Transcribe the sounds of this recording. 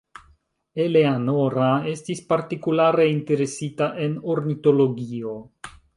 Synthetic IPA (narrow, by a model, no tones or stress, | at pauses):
e̞leanoɾae̞stispaɾtikulaɾe̞inte̞ɾe̞sitaʔe̞no̞ɾnito̞lo̞ɡio̞